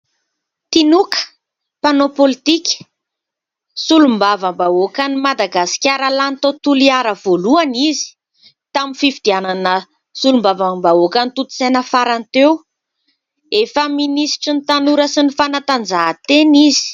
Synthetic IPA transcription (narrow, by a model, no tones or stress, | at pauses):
t̪inukə̥ | panopolit̪ikʲə̥ | sulumbavəmbaokənimad̪aɡasi̥kʲaɾalant̪ot̪uliaɾəvoluanizi̥ | t̪aminfifid̪iananə | sulumbavəmbaokənit̪ut̪u̥senəfaɾant̪ew | efəminisi̥ʈ͡ʂinit̪anuɾəsinifanat̪and͡zaɦat̪enizi̥